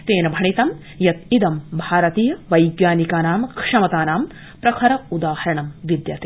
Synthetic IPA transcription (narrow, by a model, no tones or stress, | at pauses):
t̪eːnɐbʱɐɳit̪ɐm | jɐt̪id̪ɐmbʱaːɾɐt̪iːjɐʋɐjɡjaːnikaːnaːmkʰʂɐmɐt̪aːnaːm | pɾɐkʰɐɾɐud̪aːhɐɾɐɳɐmʋid̪jɐt̪e